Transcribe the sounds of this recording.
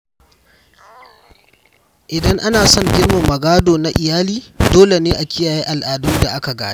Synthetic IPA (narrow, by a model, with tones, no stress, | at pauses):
ʔɪ˨dɐ˦ŋʔa˦naː˨sɔ˦ŋɡʲɪ˦rmɐ˨mːɐ˨ɡaː˦doː˨na˦ʔɪ˨jaː˦liː˦doː˦le˨neː˦ʔa˨kʲɪ˦jaː˨ji˦ʔa˨lʔaː˨duː˦da˨ʔa˦ka˨ɡa̰ː˨e˦